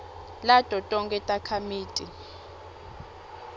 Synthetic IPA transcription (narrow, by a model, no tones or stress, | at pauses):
latʼɔtʼɔŋkʼɛtʼakʰamiːtʼi